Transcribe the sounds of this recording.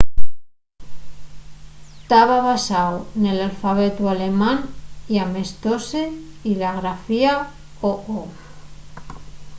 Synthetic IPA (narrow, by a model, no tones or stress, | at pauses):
t̪aβaβasawnelalfaβ̞et̪ualemaniamest̪oseilaɣɾafia | oʔo